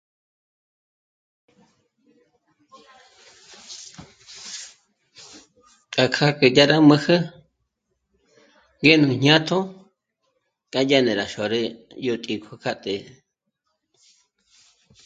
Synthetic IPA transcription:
kʼa˨kʰa˦kə˨ja˦ɾa˦mə̃˧hə˦ | ŋɡe˦nũ˨ɲ̥ɲã˦t̪ʰo˦ | kʼa˦ja˦nẽ˨ɾa˨ʃo˨ɾe˦ | jo˧t̪ʼi˨kʷʰa˦˧kʰa˦t̪ʼe˨

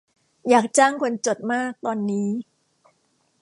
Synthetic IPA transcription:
jaː˨˩k̚t͡ɕaː˥˩ŋkʰo˧nt͡ɕo˨˩t̪̚maː˥˩k̚t̪ɔː˧nːiː˦˥

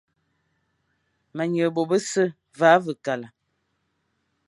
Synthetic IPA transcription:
ma˨ɲə˨bo˨bə˦sə˦ | va˨˦və˨ka˨la˨

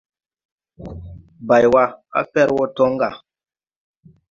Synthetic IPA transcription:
ba˨jwa˦a̰˦fɛ˦ɾwɔ˦tɔ˦ŋ˦ɡa˨

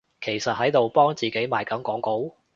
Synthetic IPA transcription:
kʰe˨˩jsɐ˨t̚ɦɐ˨˥jt̪o˨wpɔː˥ŋt͡siː˨ke˨˥jmaː˨jkɐ˨˥mkɔː˨˥ŋko˨˥w

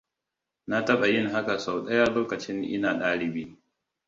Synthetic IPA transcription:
na˦tɐ˦ɓa˨jɪ˦˨ŋɦa˦ka˨sa˨wɗɐ˦jaː˦loː˦kɐ˨t͡ʃɪ˦ŋʔɪ̰˦naː˨ɗaː˦ɽɪ˨biː˦

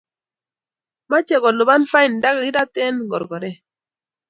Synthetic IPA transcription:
ma˦t͡ʃɛ˨ɡɔ˨lu˨ba˦nfa˦i˨nda˦ɡa˨i˦da˦tɛ˦nɡɔ˨ɾɡɔ˨ɾɛ˦˨

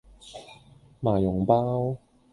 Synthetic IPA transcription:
maː˨˩jʊ˨˩ŋpaː˥w

